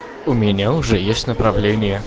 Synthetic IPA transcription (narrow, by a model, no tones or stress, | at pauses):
ʊmʲɪnʲaʊʐɛjesʲtʲnəpɾɐvlʲenʲɪjə